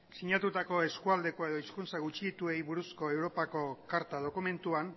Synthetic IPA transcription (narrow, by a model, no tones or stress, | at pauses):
siɲat̪ut̪ako̞e̞skuald̪e̞ko̞e̞ð̞o̞iskunt͡saɣut͡ʃiit̪ue̞jβuɾusko̞e̞wɾo̞pako̞kaɾt̪að̞o̞kume̞nt̪uan